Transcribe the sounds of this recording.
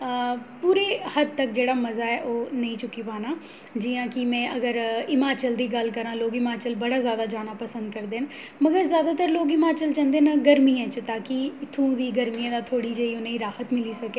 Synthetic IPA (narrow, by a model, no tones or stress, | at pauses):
puːɾeːhəd̪̚t̪ək̚d͡ʒeːɽaːməzaːɛːʔoːnəĩːt͡ʃʊkːiːpaːnaː | d͡ʒɪjãːkɪmɛ̃ːʔəɡəɾɪmaːt͡ʃəld̪iːɡəlkəɾãːloːɡɪmaːt͡ʃəlbəɽaːzjaːd̪aːd͡ʒaːnaːpəsə̃nd̪kəɾd̪eːn | məɡəɾzjaːd̪aːt̪əɾloːɡɪmaːt͡ʃəlt͡ʃə̃nd̪eːnəɡəɾmiːãːt͡ʃət̪aːkɪt̪ʰũːd̪iːɡəɾmijãːd̪aːt̪ʰoːɽiːd͡ʒəiːʊnẽːiːɾaːhət̪mɪliːsəkeː